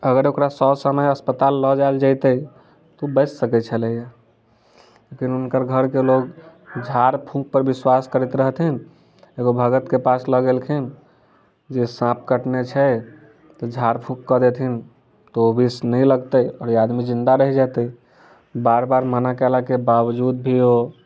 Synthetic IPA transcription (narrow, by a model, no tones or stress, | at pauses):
əɡəɾokɾasɔsəməjəspət̪alːɔd͡ʒaeld͡ʒaɪt̪əi | t̪ɔubət͡ʃsəkɛt͡ʃʰələɦija | lekinunkəɾɡʱəɾkeloɡd͡ʒʱaɾpʰũk̚pəɾbiswaskəɾit̪ɾəɦt̪ʰin | eɡobʱəɡət̪kepasləɡelkʰin | d͡ʒesãp̚ʰkəʈnet͡ʃʰɛ | t̪ɔd͡ʒʱaɾpʰũkːɔd̪et̪ʰin | t̪oobʱisnəĩləɡt̪əiɔːɾiad̪mid͡ʒĩnd̪aɾəɦid͡ʒat̪əi | baɾbaɾmənakɛlakebawd͡ʒud̪̚bʱio